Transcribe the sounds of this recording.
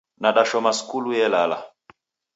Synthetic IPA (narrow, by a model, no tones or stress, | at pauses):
naɗaʃɔmaskulujɛlala̰